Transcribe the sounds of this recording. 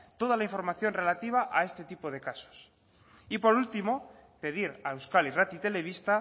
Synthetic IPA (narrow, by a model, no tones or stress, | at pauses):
t̪o̞ð̞alaiɱfo̞ɾmaθjo̞nre̞lat̪iβaʔae̞st̪e̞t̪ipo̞ð̞e̞kaso̥s | ipo̞ɾult̪imo̞ | pe̞ðiɾaewskalirat̪it̪e̞le̞β̞ist̪a